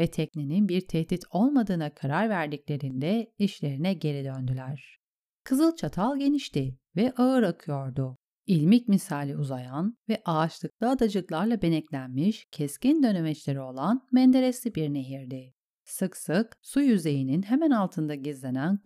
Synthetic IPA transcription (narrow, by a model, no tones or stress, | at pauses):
vɛt̪ʰɛcnininbiɾt̪ʰɛhd̪it̪ʰo̞lˠmad̪ɯːnakʰaɾaɾvæɾd̪iclʲe̞ɾind̪ɛiʃlʲe̞ɾinɛɟe̞ɾid̪ø̞nd̪ylʲæɾ̥ | kʰɯzɯlˠt͡ʃʰat̪ʰalˠɟeniʃt̪i | vɛʔaɯɾakʰɯjo̞ɾd̪ʊ | ilʲmic̚misaːlʲiuzajanvɛʔaːt͡ʃlˠɯklˠɯad̪ad͡ʒɯklˠaɾlˠabe̞nɛclʲænmiʃcʰɛscind̪ø̞nemɛt͡ʃlʲe̞ɾio̞lˠanmɛnd̪e̞ɾesʲibiɾne̞ɦiɾd̪ɪ | sɯksɯksujyze̞jininɦemɛnalˠt̪ʰɯnd̪aɟizlʲe̞næn